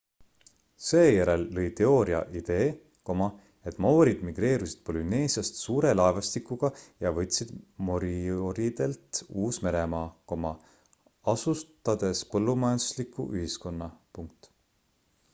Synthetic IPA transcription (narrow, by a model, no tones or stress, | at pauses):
se̞ːjæɾe̞lːɤjt̪e̞o̞ːɾiɑ̰ʔid̪̥e̞ː | ko̞mɑ | e̞t̪ːˑmowɾid̪̥miɡ̥ɾe̞ːɾusi̥d̪̥polyne̞ːsiɑst̪suːɾe̞lɑevɑst̪ikːˑuɡ̥ɑjɑvɤt̪ʲsid̪mo̞ɾioɾid̪̥e̞lt̪uːsme̞ɾe̞mɑːko̞mɑ | ɑsust̪ɑd̪̥e̞spɤlːumɑjɑnd̪̥u̥slikˑːuʔyɦisko̞nːɑpuŋk̚t̪